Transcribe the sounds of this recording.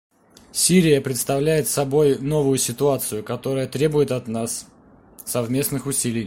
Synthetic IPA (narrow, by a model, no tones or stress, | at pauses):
sʲiɾʲɪjəpɾʲɪt̪st̪ɐvlʲæjɪt̪sɐbo̞jno̞vʊjʊsʲɪt̪ʊat̪sɨjʊkɐt̪o̞ɾəjət̪ɾʲe̞bʊjɪt̪ɐt̪nasː | ɐvmʲe̞snɨxʊsʲilʲɪj